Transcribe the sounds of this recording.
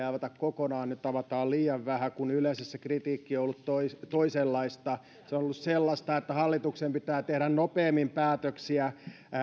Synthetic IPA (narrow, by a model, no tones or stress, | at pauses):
æʋæt̪ækkokonɑːnnyt̪t̪ɑʋɑt̪ɑːlliːɑʋʋæhækunyleisesːekrit̪iːkːioolːut̪t̪oist̪oiselːɑist̪ɑ | seonolːusselːɑst̪ɑet̪ːæhɑlːit̪uksempit̪æːt̪ehɾænnopeːmːimpæːt̪øksiæ